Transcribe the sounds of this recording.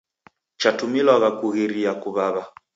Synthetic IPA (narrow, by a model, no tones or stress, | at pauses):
t͡ʃatumilaɣakuɣiɾiakuβaβa